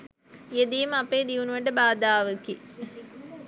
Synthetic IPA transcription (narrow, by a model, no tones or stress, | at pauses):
ed̪ijumɐpːeːɖ̪iʋunʋɐɳɖɐbaːd̪aːʋɐkːi